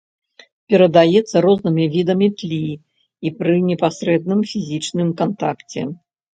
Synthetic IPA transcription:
pʲɛɾɐd̪ajɛt̪sːɐɾɔznɨmʲivʲid̪ɐmʲit̪lʲi | ipɾɨnʲɛpasɾɛd̪̚nɨmfʲizʲit͡ʂnɨmkant̪akt͡sʲɛ̰

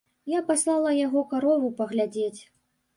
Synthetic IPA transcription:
japaslˠalˠɐjaɣɔkaɾɔvupɐɣlʲad͡zʲet͡sʲ

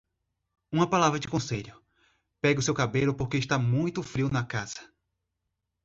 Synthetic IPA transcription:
ũmɐpalavɾɐd͡ʒɪkõseʎʊ | pɛɡɪʊsewkabelʊpoɾkeɪʃt̪amũj̃t̪ʊfɾiwnɐkaz̥ɐ̥

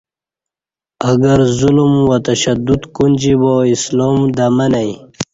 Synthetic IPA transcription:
ɐɡɐɾzulmwat̪ɐɕad̪ud̪kund͡ʑiboisloːmd̪amɐnaj

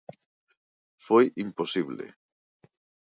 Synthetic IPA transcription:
fojʔimposiβlḛ

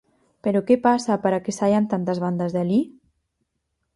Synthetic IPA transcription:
peɾokepasapəɾakesajant̪ant̪əzβ̞and̪əzðeli

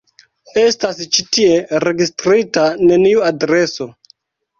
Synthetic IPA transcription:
e̞stast͡ʃitie̞ɾe̞ɡistɾitane̞niuadɾe̞so̞

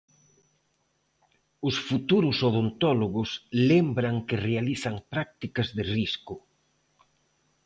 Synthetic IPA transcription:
ʊsfut̪uɾʊsoðont̪ɔloɣʊslembɾɐŋkɪrealiθɐŋpɾak̚t̪ikɐzðɪriskʊ

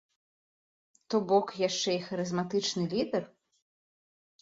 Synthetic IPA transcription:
t̪ɔbɔkjaʂt͡ʂɛixɐɾɨzmat̪ɨt͡ʂnɨlʲid̪ɛr

